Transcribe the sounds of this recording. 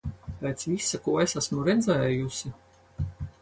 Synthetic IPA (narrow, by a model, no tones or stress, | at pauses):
pʲɛːt̪svisakuːesasmuɾɛd̪zɛːjusʲi